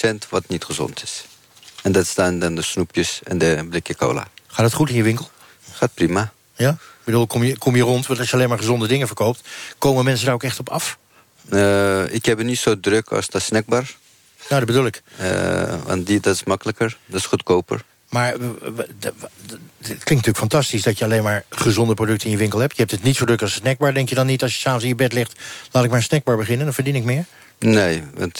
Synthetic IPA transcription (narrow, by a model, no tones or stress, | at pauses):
sɛntʋɔtnitχəzɔ̰ntʰɪ̥s | ɛndɔtstaːndɔndəsnupjəsɛ̰ndəblɪkjəko̰wla̰χaːdɔtχutɪnjəʋɪŋkəl̩ˠ | χat̚prima | jabədulˠkʰɔmjəkʰɔmjərɔntʋnˠtɔsjəaleːnmaɹχəzɔndədɪŋəvəɹkowp̚tkowməmɛns̬ədaokɛχtɔpɑf | əɪkhɛbənitsoːdrøkʰɔ̰sdɔsnɛk̚baːr | nowdɔdbədulˠɪkə̰ʋɑ̰ntdidɔtɪsmɑkələkəɹdɔtɪ̥sχutkowpə̰ɹ | maːɹ | tklɪ̃ŋtnətyːəkfɑntɑstisdɑtjəɑlejnmaːɹχəzɔndəprodʏk̚təɪnjəʋɪŋkəlˠɦɛp̚jəhɛp̚tətnitsowdrøkɑlˠsnɛɡ̚baːɹdɛŋkjədɔnːitɑlˠsjəsaːfəns̬ɪnjəbɛtlɪχtlaːtɪk̚maːsnɛɡ̚baːɹbəχɪnəndɔnvəɹdinɪkmɪːɹ | neːʋɑ̰nt